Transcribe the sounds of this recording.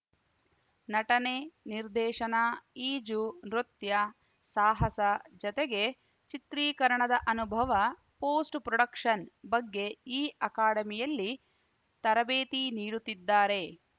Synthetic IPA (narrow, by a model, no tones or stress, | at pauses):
nɐʈɐneniɾd̪ɛːʃɐnaiːd͡ʒunɾut̪jɐ | saːɦɐsɐd͡ʒɔt̪eɡe̞ | t͡ʃit̪ɾiːkɐɾɐɳɐd̪ɐʔɐnubʱɐʋɐ | poːsʈpɾɔɽɐkʂɐnbɐɡːe̞iːʔɐkaːɽɐmijɐlːi | t̪ɐɾɐbeːt̪iniːɾut̪ːid̪ːaːɾe̞